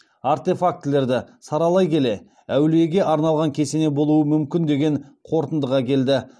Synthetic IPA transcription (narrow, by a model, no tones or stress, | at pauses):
aɾt̪e̞fak̚t̪le̞ɾd̪ɪsɑɾɑlˠɑjkʲʰe̞le̞ | æwleɡʲe̞ʔɑɾnɑlˠʁɑŋkʲʰe̞se̞ne̞bo̞lˠuəmʏmkʲɪnd̪e̞ɡʲe̞ɴqʰo̞ɾt̪ənd̪əʁɑkʲʰe̞ld̪ɪ